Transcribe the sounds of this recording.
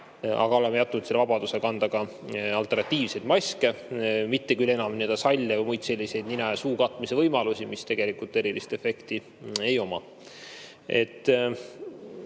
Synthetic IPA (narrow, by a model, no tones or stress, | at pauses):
ɑ̰ɡ̥ɑo̞le̞mejɑt̪ːˑunud̪selevɑb̥ɑd̪̥usekɑnd̪ɑɡ̥ɑ | ɑlt̪ːernɑt̪ʲːˑiːvse̞jd̪̥mɑsʲkemit̪ːekyle̞nɑmniəld̪̥ɑsɑlʲːevɤjmujt̪se̞lʲːise̞jd̪ninɑjɑsuːkɑt̪ːˑmisevɤjmɑlusʲimist̪e̞ɡ̥e̞likult̪ːˑe̞ɾilist̪e̞fe̞kt̪i | e̞jo̞mɑ | ʔe̞t̪ːˑ